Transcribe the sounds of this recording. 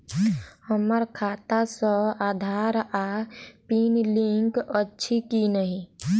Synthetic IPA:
həməɾkʰaːt̪asə̃aːd̪ʱaːɾapiːnlĩŋkətːʃʰikinəɦĩ

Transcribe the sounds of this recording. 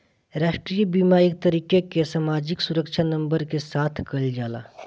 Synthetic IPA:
ɾaːʃʈɾibiːmaːɾɪk̚t̪ɐɾiːkekesaːmaːd͡ʒɪksʊɾəkʃʰanɐ̃mbəɾkesaːt̪ʰkɐld͡ʒaːla̰ː

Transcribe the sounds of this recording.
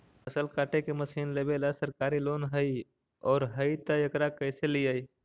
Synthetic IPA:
əsəlkaːʈekeməsiːnleːbeːləsəɾkaːɾiloːnɦəi | ɔːɾɦəit̪əjəkɾakəːseliaːi

